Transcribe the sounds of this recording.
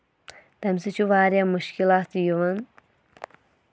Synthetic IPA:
d̪̥ɐmsit͡ʃʰuʋaːɾjamuʃkilaːt̪ijuʋɐn

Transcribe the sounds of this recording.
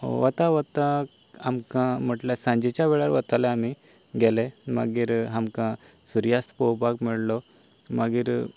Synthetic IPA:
ʋət̪aʋət̪ak | amkãm̤əʈljasãɲd͡ʑit͡ɕjaʋɛɭaɾʋət̪aleami | ɡɛlema̰ɡiːɾɦamkã | suɾjast̪ʰpowpakmiɭlɔ | maɡiːɾ

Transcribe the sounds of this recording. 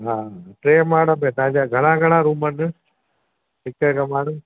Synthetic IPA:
ɦaːʈɾeːmaːɽəmẽt̪ãːd͡ʑaːɡʱəɽ̃ãːɡʱɐɽ̃ãɾuːmənə | sɪkːəkamaːɽɐm

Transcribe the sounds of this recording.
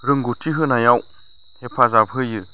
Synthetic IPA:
ɾɯŋɡutʰiɦɯnajaw | t̪ʰepʰazapɦɯjɯ

